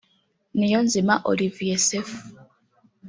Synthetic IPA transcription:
nijonzimaʔo̰livijesefu̥

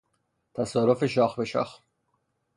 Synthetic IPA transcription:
t̪ʰæsɒːɾofeʃɒːxbeʃɒ̰ːx

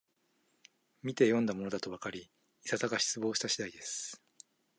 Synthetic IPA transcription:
mʲit̪e̞jõ̞nd̪amo̞no̞d̪at̪o̞βakaɾʲiː | sat̪aɡaɕi̥t͡sɨbo̞ːɕi̥t̪aɕid̪aid̪e̞sɨ̥

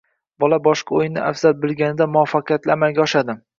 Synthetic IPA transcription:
bɒlabɒʃqɑojnɪʔafz̥albɪlɡʲanɪd̪amʊafːɑqʰɨjat̪lɪamalɡʲaɒʃad̪ɪ

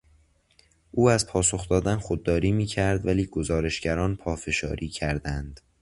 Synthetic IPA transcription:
ʔuːæzpʰɒːso̞xd̪ɒːd̪ænxod̪ːɒːɾiːmiːcʰæɾd̪væliːɡo̞zɒːɾe̞ʃɟæɾɒːnpʰɒːfe̞ʃɒ̰ːɾʔiːcʰæɾd̪ænd̪̥

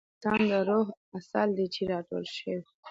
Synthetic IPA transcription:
t̪ɑnd̪əɾoɦasɑ̰ld̪et͡ʃeɾɑʈo̰lʃəwi

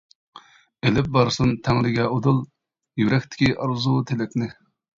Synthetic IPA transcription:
elɪp̚bɑɾsunt̪ʰɛŋlɪɡʲɛod̪ulˠ | jyɾɛkʲt̪ʰɪ̥kʲiʔɑɾzut̪ʰelɪkʲnɪ

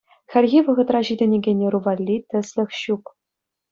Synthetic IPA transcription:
xʲɘ̆lʲɣʲiʋɤ̆ʁɤ̆t̪rɑʑidʲɘ̆nʲeɡʲenʲeruvɑlʲːit̪ʲɘ̆sʲlʲɘ̆xɕuk

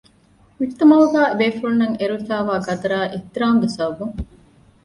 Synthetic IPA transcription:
ʋit̪ːɐmɐʋɐɡaːbeːfuɾunːɐŋeɾuifaːʋaːɡɐd̪ɐɾaːʔet̪ɾaːŋɡesɐɐbuŋ

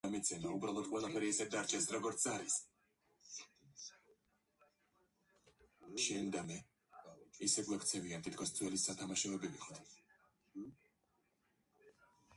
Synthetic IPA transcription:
amit̪sʰɛmaubɾalˠɔd̪̚qʼwɛlˠapʰɛɾiːsɛd̪aɾt͡ʃʰɛsɾɔɡɔɾt̪sʰaɾis | ʃɛnd̪amɛ | isɛɡlˠakʰt̪sʰɛviant̪ʰit̪kʰɔsd̪zʰʼwɛlisːat̪ʰamaʃɔɛbiviχɔt̪ʰ

